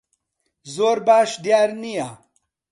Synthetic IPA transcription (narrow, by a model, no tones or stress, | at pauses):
zoːɾbaːʂd̪jaːɾnija